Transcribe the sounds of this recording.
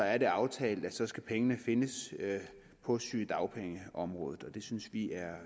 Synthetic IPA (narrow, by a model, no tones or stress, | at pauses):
ɒ̽æɐd̥e̝ɑ̈ʊt͡sʰɛ̰ːld̥æsɒ̽sɡ̥æpʰeŋənəfe̝nəs | pʰɒ̽syːd̥ɑ̈ʊpʰeŋəʔɒ̽mʁɔ̰̽ːð̞ˠð̩ˠɒ̽d̥e̝synsʋiæɐ